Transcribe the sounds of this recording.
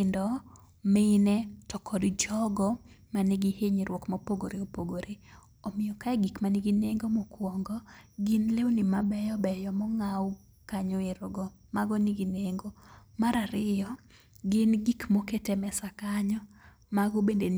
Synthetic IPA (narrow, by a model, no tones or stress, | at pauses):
ɪndɔ | mɪnɛtɔkʰɔdd͡ʒɔɡɔmanɪɡiheɲiɾwɔkmɔpoɡoɾeopoɡoɾe | omɪjɔkaɛɡikmanɪɡineŋɡomɔkwɔŋɡɔɡɪnlewnɪmabɛjɔbɛjɔmɔŋaw | kaɲɔɪɾoɡɔ | maɡɔniɡineŋɡomaɾaɾɪjɔ | ɡɪnɡikmoketemɛsakaɲɔ | maɡobenden